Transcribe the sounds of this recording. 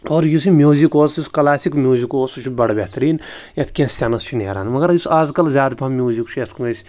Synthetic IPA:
oːɾjusimjuːzikoːsjuskɐlaːsikmʲjuːzikoːsut͡ʃʰubɐɽbeht̪ɾiːnjɐt̪ʰkʲẽːsʲt̪ʲɐnɐst͡ʃʰinḛːɾa̰ːnmɐɡɐɾjusaːzkɐlzʲaːd̪pʰɐmjuːzikt͡ʃʰujet̪kuesʲ

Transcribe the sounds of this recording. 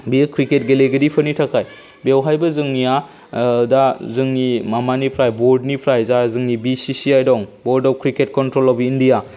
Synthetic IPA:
bikʰɾiket̚ɡeleɡɐdipʰɐnitʰakʰaj | bewɦajbɐzɯŋnia | dazɯŋnimamanipʰɾajboɾdnipʰɾajzazɯŋnibisisiajdɔŋbɔɾdɔp̚kɾiket̚kɔntɾolɔpindija

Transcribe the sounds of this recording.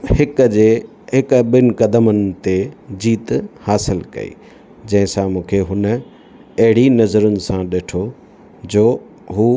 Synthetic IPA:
hɪkd͡ʑeː | ɦɪkɓɪnɪ̆kɐd̪əmənɪ̆t̪ed͡ʑiːt̪haːsɪlkɐ̰ḭː | d͡ʑɐ̃ɦɪ̃sãmũːkʰeɦʊnə̆ | ɐɦɪɽinɐzəɾʊnɪ̆sãɗeːʈʰo | d͡ʑoː | ɦuː

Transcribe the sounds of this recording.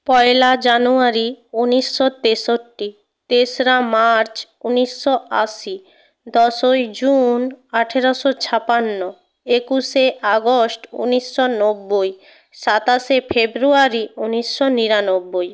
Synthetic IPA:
pɔelad͡ʑanuaɾiuniʃːot̪eʃoʈːi | t̪esɾamaɾt͡ɕ | uniʃːoaʃi | d̪ɔʃojd͡ʑunaʈʰeɾoʃot͡ɕʰapanːo | ekuʃeʔaɡosʈṵniʃːonobːoj | ʃat̪aʃefʰebɾuaɾiuniʃːoniɾanobːoj

